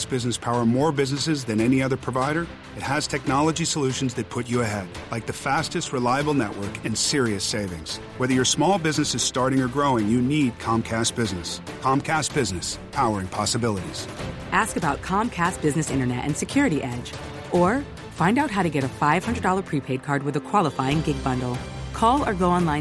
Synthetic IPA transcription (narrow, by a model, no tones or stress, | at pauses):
s̚b̥ɪznɨspʰaʊə˞mɔɹbɪznɨsɨzðɨ̃nɛniʌðə˞pʰɹ̥əvaɪɾə˞ | ɨt̚hɨz̥tʰɛk̚nɑlˠəd͡ʒisəlʉʃɨ̃n̩zðɨt̚pʰʊt͡ʃɨɨɦɛd̥laɪk̚ðɨfæstɨst̚ɹɨlaɪɨbl̩ˠnɛ̰ʔwə˞kɨ̃nsɪɹiɨseɪvɪ̃ŋz̥ | wɛðə˞jə˞smɔlˠbɪznɨsɨz̥stɑɹɾɪ̃ŋə˞ɡɹoʊɪ̃ŋjɨnid̚kʰɑ̃mkʰæst̚b̥ɪznɨs | kʰɑ̃mkʰæst̚b̥ɪznɨspʰaʊə˞ɪ̃ŋpʰɑsəbɪlˠəɾḭz̥ʔæskɨbaʊt̚kʰɑ̃mkʰæst̚b̥ɪznɨsɪ̰̃ɾ̃ə˞nɛɾʔɨ̰̃nsɨkʰj̥ʊɹɨɾiʔɛd͡ʒ | ʔə˞ | fãɪ̃ndaʊt̚ɦaʊɾɨɡɛɾɨfaɪv̥hʌ̃ndɹədɔlˠə˞pʰɹ̥ipʰeɪd̚kʰɑɹd̚wɨðəkʰw̥ɑlˠəfaɪɪ̃ŋɡɪɡ̚bʌ̃ndˡl̩ˠkʰɔlˠə˞ɡoʊɑ̃nlãɪ̃n